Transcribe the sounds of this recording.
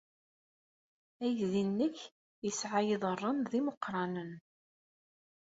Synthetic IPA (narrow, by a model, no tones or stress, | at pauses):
æjðinːəç | jəsʕajɪðˤərˤːənðiməqːɾˤɑnən